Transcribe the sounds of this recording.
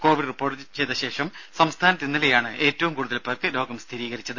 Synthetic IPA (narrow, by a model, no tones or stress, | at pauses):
ko̞ːʋiɖripːo̞ːrʈːɨt͡ɕe̞jt̪ːɐɕe̞ːʂɐmsɐmst̪ʰaːnɐt̪ːinːɐlejaːɳɨe̞ːtːɐʋumkuːɽuðɐlpːɐkɨlo̞ːɡɐmst̪ʰiɾiːɣɐɾit͡ɕːɐðɨ